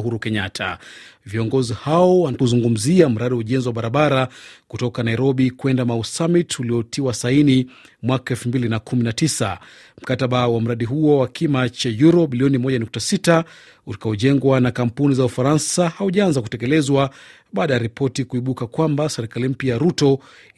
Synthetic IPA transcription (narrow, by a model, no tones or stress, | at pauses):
huɾukɛɲatʰa̰viɔŋɡɔzihaɔwaakuzuŋɡum̩ziam̩ɾaɗiwauʄɛnziwaɓaɾaɓaɾakutɔkanaiɾɔɓikwɛndamausamituliɔtiwasaini | mwakaɛlfumbilinakuminatisa̰ | m̩kataɓawam̩ɾaɗiɦuɔwakimat͡ʃajuɾɔɓiliɔnimɔʄanuk̚tasita | ulikaɔʄɛŋɡwanakam̩punizaufaɾansahauʄaanzaku̥tɛkɛlɛzwa | ɓaːɗajaɾipʰɔtikuiɓukakwambasɛɾikalim̩pjajaɾutɔ